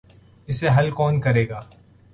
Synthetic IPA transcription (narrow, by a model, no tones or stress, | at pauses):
ɪseɦɐlkɔːnkɐɾeːɡaː